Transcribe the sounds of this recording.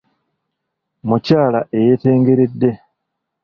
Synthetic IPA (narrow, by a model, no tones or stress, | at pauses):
mucaːlaʔe̞jete̞ːŋɡe̞ɾe̞dːe̞